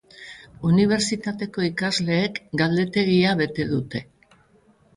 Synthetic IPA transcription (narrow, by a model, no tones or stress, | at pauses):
uniβ̞e̞ɾt͡sit̪at̪e̞ko̞ikazle̞ːkɡald̪e̞t̪e̞ɣiaβe̞t̪e̞ðut̪e̞